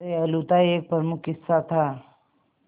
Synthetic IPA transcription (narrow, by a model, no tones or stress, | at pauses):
eɐlut̪aeːk̚pəɾmʊkɪsːat̪ʰa